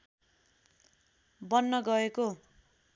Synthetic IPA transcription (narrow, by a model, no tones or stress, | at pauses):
bʌnːʌɡʌeko